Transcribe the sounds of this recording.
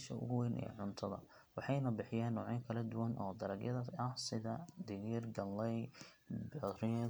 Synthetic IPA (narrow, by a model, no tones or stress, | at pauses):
ʃɐ̰ʔʊ̰ɣʊwɛnʔɛ̰ːʕʊnt̪ʰɐðɐ̰ | wɑħɑjnɐbɪħɪjaːnːɔːʕiŋkʰɐlɐd̪ʊwɐnʔɔːd̪ɐɾɐɡjɐðɐɐhsɪðɐd̪ɪɣirɡɐlːɛj | bɛrɪ